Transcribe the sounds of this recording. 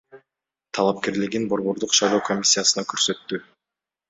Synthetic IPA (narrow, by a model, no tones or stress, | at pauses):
t̪ʰɑlˠɑp̚ke̞ɾliɡinbo̞ɾβo̞ɾd̪uqʃɑjlˠo̞ːkʰo̞mʲisʲːijasɯnɑkøɾsø̞t̪ːy